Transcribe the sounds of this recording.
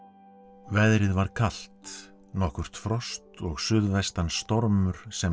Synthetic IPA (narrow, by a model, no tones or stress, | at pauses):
vɛðɾɪðvaɾ̥kʰal̥t̪ | nɔhkʏɾ̥t̪fɾɔst̪ɔɣsʏðvɛst̪anst̪ɔɾmʏɾ̥sɛ